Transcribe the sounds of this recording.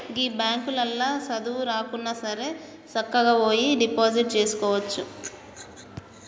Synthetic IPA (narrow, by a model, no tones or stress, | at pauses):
ɡiːbaːŋkulɐlːaːsɐd̪uʋuɾaːkunːɐsɐɾe̞ː | t͡ʃɐkːɐɡaːoːjiɖipaːd͡ʒiʈ̚t͡ʃe̞ːsu̥kɔːʋɐt͡ʃːu